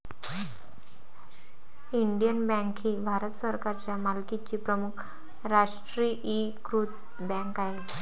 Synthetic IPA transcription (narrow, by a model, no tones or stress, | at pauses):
iɳɖijənbɛ̃ŋkɦiːbʱaɾət̪səɾkaɾt͡ɕjamalkit͡ɕiːpɾəmukʰ | ɾaʂʈɾiʔi | kɾut̪ | bɛ̃ŋkaɦe